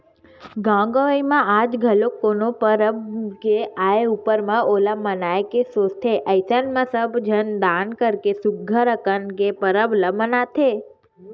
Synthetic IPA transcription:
ɡãɡoʋəjmãad͡ʒɡʱəlokːonopəɾəbkeaeupəɾmãʔolamənaekesost̪ʰeʔəjsənmãsəbd͡ʒʱənd̪ankəɾkesuɡʱəɾəkənkepəɾəbləmənat̪ʰe

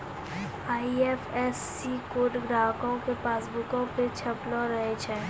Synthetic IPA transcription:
aːieːfɛsːikoːʈɡɾaːkõkepaːsbʊkõpet͡ʃʰɐplõɾəɦet͡ʃʰɛː

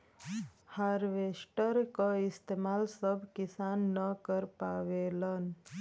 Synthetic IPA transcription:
haɾʋeːsʈəɾkaɪst̪eːmaːlsəbkɪsaːnːəkəɾpaːʋeːlən

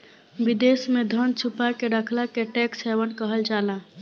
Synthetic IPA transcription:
bid̪esmed̪ʱənt͡ʃʰupakeɖəkʰlakeʈeksɦebənkəɦəld͡ʒalã

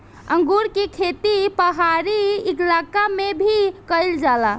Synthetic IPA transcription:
ə̃ŋɡuɾkekʰet̪ipəɦaɾieklakamebʱikəjld͡ʒala

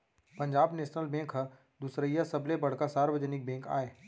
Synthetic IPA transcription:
pɐ̃ɲd͡ʒaːbneːʃnəlbɛ̃ːkɦə | d̪usɾəijasɐblebɐɽ̤kasaːɾwəd͡ʒənɪk̚bɛ̃ːka̰ːeː

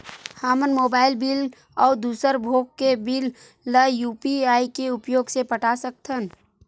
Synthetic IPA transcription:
haːmənmoːbaːɪlbil | ɔːd̪uːsəɾbʱoːkkebilː | əjuːpiaːikeʊpjoːɡsepəʈasək̚t̪ʰən

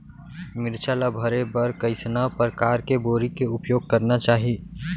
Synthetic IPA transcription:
mɪɾt͡ʃʰalabʱəɾebɐɾkɐɪsnapəɾkaːɾkeboːɾikeʊpjoːɡ̚kɐɾnat͡ʃaːɦi

